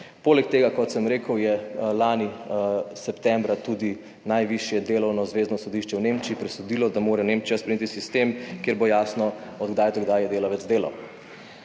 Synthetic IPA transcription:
poːlɛk̚t̪eːɡakɔt̪səmɾeːkəwjɛlaːnisɛpt̪ɛmbɾat̪ud̪i | najʋiʃjɛd̪eːlɔwnɔzʋeːznɔsɔd̪iʃt͡ʃɛwnemt͡ʃiːpɾɛsɔd̪ilɔd̪amoːɾɛneːmt͡ʃijaspɾɛmjet̪isist̪emkjeɾbojaːsnɔɔd̪ɡd̪ajt̪ɔɡd̪ajɛd̪eːlaʋɛd̪zd̪eːlɔ

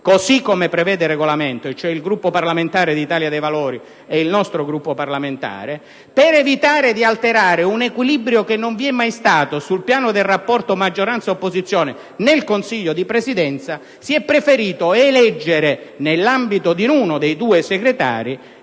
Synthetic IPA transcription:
kosikːomepɾevɛːd̪ereɡolament̪oet͡ʃːoɛilɡɾupːoparlament̪aːɾed̪it̪aːljad̪ejvaloːɾi | eilnɔst̪ɾoɡɾupːoparlament̪a̰ːɾe | peɾevit̪aːɾed̪ialt̪eɾaːɾeunekwilibɾjokenːoɱviɛmːajst̪aːt̪osulpjaːnod̪elrapːɔrt̪omad͡ʒːoɾant̪saopːozit̪sːjoːne | nelkonsiʎːod̪ipɾesid̪ɛnt̪sa | siɛpːɾefeɾiːt̪oelɛd͡ʒːeɾenelːambit̪od̪inuːnod̪ejd̪uːeseɡɾet̪a̰ːɾi

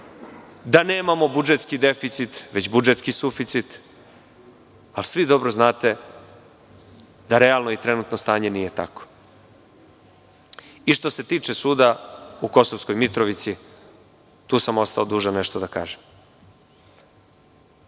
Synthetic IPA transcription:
d̪aneːmamo̞bud͡ʒet̪skid̪e̞fit̪sit̪ʋet͡ɕbud͡ʒet̪skisufit̪sit̪ | alsʋid̪o̞bɾoznaːt̪e̞ | d̪aɾe̞alˠno̞it̪ɾe̞nut̪nost̪aːɲe̞nije̞t̪a̰ko̥ | iʃt̪o̞se̞t̪iːt͡ʂesuːd̪auko̞sovsko̞jmit̪ɾoʋit̪si | t̪uːsamo̞st̪aod̪uːʒaneʃt̪o̞d̪aka̰ːʒem

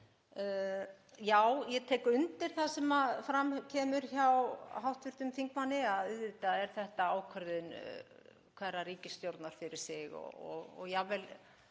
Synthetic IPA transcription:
jaːwjɛt̪ʰɛːkʏnt̪ɪɾ̥θasɛmaðfɾamcʰɛːmʏɾ̥çawɦawht̪vʏɾ̥t̪ʏmθiŋkmanːɪaðɪðvɪt̪aɛɾ̥θɛht̪aaːwkʰœɾðʏn | kʰvɛrariːcɪsːt̪jowɾt̪naɾ̥fɪɾɪɾ̥sɪɣɔ̰ɔ̰ɣɔ̰ɣjavɛl

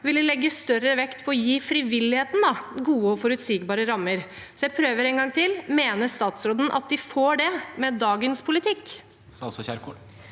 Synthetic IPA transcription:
ʋɪld̪ɪlɛɡːəst̪œɾəʋɛkt̪pʰɔɔjiːfɾɪʋɪlːɪheːt̪n̩d̪ɑɡuːəɔfɔɾʉt̪siːɡbɑːɾəɾɑmːəɾ | sɔjæɪpʰɾøːʋəɾɛŋɡɑŋːt̪ʰɪlmeːnəʂt̪ɑːt̪sɾoːd̪ənʔɑ̰t̪̚d̪ɪfoːɖɛmɛd̪ɑːɡənspʰʊlɪt̪ʰɪkː | ɑlsɔçæɾkʰɔ

